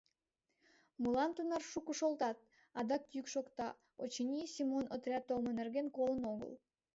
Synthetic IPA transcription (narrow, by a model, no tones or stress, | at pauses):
mulˠɑnt̪unɑrʃukuʃolˠt̪ɑt̪̚ | ɑd̪ɑk̚jykʃokt̪ɑ | ot͡ɕinʲisʲimonət̪ɾʲɑt̪ːolˠmɤneɾɡenkolˠənoɣə̰lˠ